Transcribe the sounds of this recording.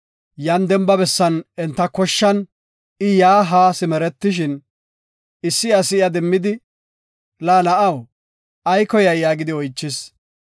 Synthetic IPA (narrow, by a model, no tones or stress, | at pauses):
jɐnd̪ɛmbɐbɛsːɐnɛnt̪ːɐkɔʃːɐn | ɪjaːɦaːsɪmɛɾɛt̪ːɪʃ̬ɪn | ɪsːɪɐsɪjɐd̪ɛmːɪd̪ɪ | laːnɐʔɐw | ɐjkɔjɐjːaːɡɪd̪ɪɔjt͡ʃːɪs